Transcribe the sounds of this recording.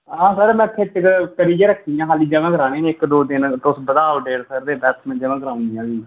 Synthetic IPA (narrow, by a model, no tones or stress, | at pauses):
ɦãːsəɾmɛ̃ːt̪ʰɪʈkkəɽiːd͡ʒeːɾəkʰːiːãːɦaːliːd͡ʒəʋãːɡəɾaːneːnẽːɪkd̪oːd̪ɪnt̪ʊsbəd̪aːoɖeːɽsəɾd̪eːbɛːt̪ʰmɛ̃ːd͡ʒəʋãːɡəɾaːʊ̃nd̪ijãːd͡ʒiː